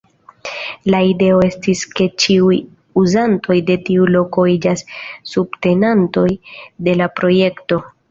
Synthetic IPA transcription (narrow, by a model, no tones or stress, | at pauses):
laide̞o̞e̞stiske̞t͡ʃiuj | uzantʰo̞jde̞tiulo̞ko̞id͡ʒasːubte̞nanto̞jde̞lapɾo̞je̞kto̞